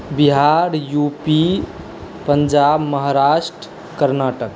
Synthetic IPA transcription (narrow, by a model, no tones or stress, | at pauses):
biɦaɾjupi | pəɲd͡ʒabməɦaɾaʃʈɾə | kəɾnaʈək̚